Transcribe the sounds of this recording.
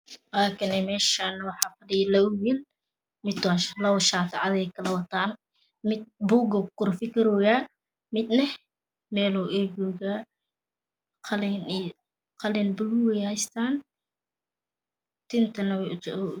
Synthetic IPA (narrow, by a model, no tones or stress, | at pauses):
waːkʰɐnɛmɛːʃaːnɐwɑħɑːfɐdɪjlɐʊwil | mɪt̪ːʃlɐwʃaːt̪ʰɐʕɑðɛjkʰɐlɐwɐt̪ʰaːn | mɪd̪̚buɡɐkʊɾfɪkɪɾɔːjaː | mɪd̪nɐ | mɛːlɔʔɛd͡ʒɔːɡaː | qʰɐlɛn | qʰɐlɛnbʊluwɛjhɛjst̪ʰaːn | t̪ʰɪnt̪ʰɐnɐwt͡ʃː